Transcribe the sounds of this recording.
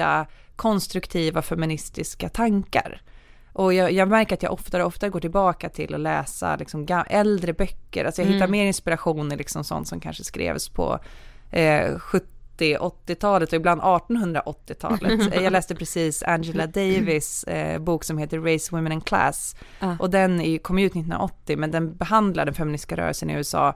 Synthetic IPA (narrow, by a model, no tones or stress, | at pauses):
a̰ | kʰɔnst̪ɾɵkt̪ʰiːvafɛmɪnɪst̪ɪskat̪ʰaŋka̰ɾ | ʔɔjɑjɑːɡmæɾkəɾat̪jɑ̰ʔɔft̪aɾɔft̪aɡoːʈɪlbɑːkat̪ʰɪlːɔlɛːsa̰lɪksɔmɡaɛld̪ɾəbœkːə̰ɾʔa̰lsɔjahɪt̪ːaɾmeːɾɪnspɪɾaɧuːnɪlɪksɔmsɔ̰nt̪sɔmkʰa̰nʂəskɾḛːvspʰɔ̰ | ɧɵt̪ːɪʔɔt̪ːɪt̪ʰɑːlət̪ɔɪbland̪ɑːʈɔnhɵnd̪ɾa̰ʔɔt̪ːɪt̪ʰɑ̰ːlə̰t̪jɑːlɛːst̪əpɾɛsiːsa̰nd͡ʒɛlad̪ɛjvɪsbuːksɔmheːt̪əɾːɛɪswɪmːɛnɛnkʰla̰sʔɔd̪ɛnɪkʰɔmːʉ̟t̪nɪt̪ːh̪nɾaʔɔt̪ːɪmɛnd̪ɛnbɛhand̪la̰ɖɛnfɛmɪnɪskaɾœ̰ːɾəlsənɪ̰ʉɛsɑ̰ː